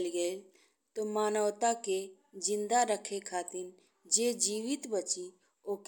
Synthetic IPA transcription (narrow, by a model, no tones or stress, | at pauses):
lɡəe | t̪omaːnəʋt̪ake | d͡ʒɪ̃nd̪aɾəkʰekʰaːt̪ɪɾ | d͡ʒed͡ʒiːʋɪt̪bət͡ʃi | oːk